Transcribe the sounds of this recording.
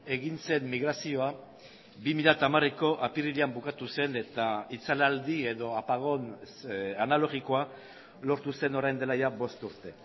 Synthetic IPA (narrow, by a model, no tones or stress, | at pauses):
e̞ɣinse̞mːiɣɾasio̞a | bimiʎat̪amareko̞ʔapiriliambukat̪use̞ne̞t̪ait͡salald̪ie̞ðo̞apaɣo̞n | analo̞ɣiko̞a | lo̞ɾt̪use̞no̞ɾajnd̪e̞lajabo̞st̪uɾt̪e̞